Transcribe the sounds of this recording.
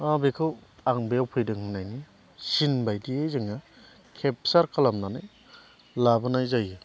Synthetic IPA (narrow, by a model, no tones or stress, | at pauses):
abekʰɯwaŋbejawpʰɯjdɯŋɦɯnajni | sinbajdiejzɯŋa | kʰep̚saɾkʰalamnanaj | labɯnajzajɯ